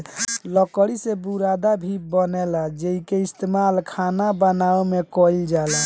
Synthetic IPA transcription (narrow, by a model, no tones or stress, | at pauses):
lɔkəɽisebuɾad̪abʱibənɛlad͡ʒeikeist̪imalkʰanabənaemekɔild͡ʒala